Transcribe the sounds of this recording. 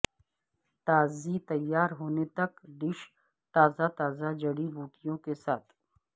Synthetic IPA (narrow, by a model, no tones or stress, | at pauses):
t̪aːzit̪ɐjːaːɾɦoːnet̪ɐkɖɪʃ | t̪aːzat̪aːzad͡ʒɐɽibuːʈijõkesaːt̪ʰ